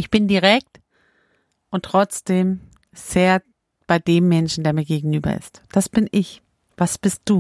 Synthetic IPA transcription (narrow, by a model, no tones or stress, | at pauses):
ʔɪçb̥ɪndiʁɛk̚t | ʔʊntʁ̥ɔt͡sd̥eːm | z̥eːɐ | b̥aɪdeːmːɛnʃn̩deːɐmiːɐɡeːɡŋ̩ʔyːbɐ̰ʔɪ̰std̥asb̥ɪnʔɪç | v̥asb̥ɪst̚d̥uː